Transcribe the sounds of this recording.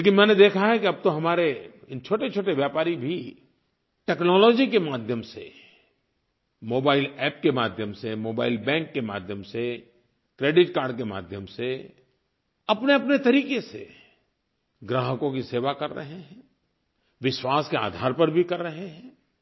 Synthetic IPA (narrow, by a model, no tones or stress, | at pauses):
leːkɪnmɛ̃ːned̪eːkʰaɦɛkiɐb̚t̪oɦɐmaːɾe | ɪnt͡ʃʰoːʈet͡ʃʰoːʈeʋjaːpaːɾibʱi | ʈɛːknɔːlɔːd͡ʒikemaːd̪ʱjəmsḛ | moːbaːɪlɛːp̚kemaːd̪ʱjəmsemoːba̰ːɪlbɛ̃ːŋkːema̰ːd̪ʱjəmse | kɾeːɖɪʈkaːɾɖkema̰ːd̪ʱjəmse | ɐpneɐpnet̪ɐɾiːkesḛ | ɡɾaːɦəkõkiseːʋakɐɾːɐ̰ɦẽɦɛ̃ː | ʋɪʃwaːskea̰ːd̪ʱaːɾpɐɾbʱikɐɾːɐɦeɦɛ̃ː